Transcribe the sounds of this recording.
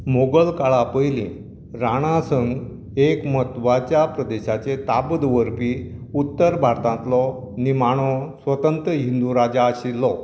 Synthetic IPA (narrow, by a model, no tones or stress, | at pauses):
moɡəlkaɭapəjlĩ | ɾaɽ̃ãsəŋɡ | ekmət̪ʋat͡ɕjapɾəd̪eɕat͡ɕet̪abd̪ʋəɾpiut̪ːəɾbʱaɾt̪ãnt̪lɔ | nimaɽ̃ɔsʋət̪ənt̪ɾəɦind̪uɾad͡ʑaːɕilːɔ